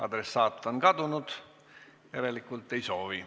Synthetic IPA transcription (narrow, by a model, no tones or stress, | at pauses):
ɑ̰d̪ɾesːɑːt̪ˑːonkɑd̪unud̪̥ | jæɾe̞likːˑult̪ːˑe̞jso̞ːvi